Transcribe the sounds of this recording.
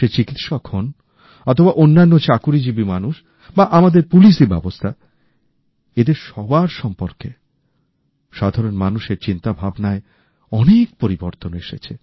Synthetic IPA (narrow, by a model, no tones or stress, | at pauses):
et͡ɕikit̪ʃɔkhon | ɔt̪ʰobaʔonːanːot͡ɕakuɾid͡ʑibimanuʃ | baʔamad̪eɾpuliʃ̬dibɛ̰bost̪ʰa | ed̪eɾʃɔbaɾʃɔmpoɾke | ʃad̪ʱaɾonmanuʃeɾt͡ɕint̪abʱabnae | ɔnek̚poɾiboɾt̪oneʃet͡ɕʰe